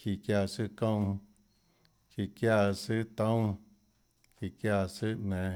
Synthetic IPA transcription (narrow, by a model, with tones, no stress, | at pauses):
ki˧˨kja˧˨sɨ˦kõ˦˧w̃ | ki˨kja˦˧˨sɨ˦t̪õ˦w̃ | ki˨kja˧˨sɨ˦ʔʔnẽ˨